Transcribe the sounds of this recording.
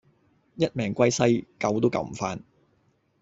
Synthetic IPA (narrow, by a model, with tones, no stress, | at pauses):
jɐ˥t̚mɛː˨˩ŋkʷɐ˥jsɐ˥jkɐ˨˧wt̪o˥wkɐ̰˧wm̩˨˩faː˧n